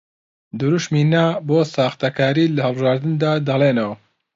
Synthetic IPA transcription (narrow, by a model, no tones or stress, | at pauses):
d̪uɾuʃminaboːsaːxt̪ɐkʰaːɾilɐɦɐlˠbɨʒaːɾd̪ɨnd̪aːd̪ɐleːnɐwɐ